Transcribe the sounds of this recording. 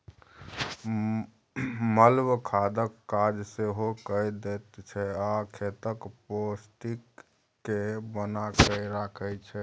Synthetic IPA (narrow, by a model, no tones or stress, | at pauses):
məlbkʰad̪əkːad͡ʒseɦokəd̪et̪t͡ʃʰɛakʰet̪əkposʈikː | ebənakəɾakʰət͡ʃʰɛ